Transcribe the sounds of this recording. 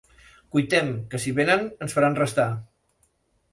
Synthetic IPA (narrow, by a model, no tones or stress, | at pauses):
kujt̪ɛmkəsiβenənənsfəɾanrəst̪a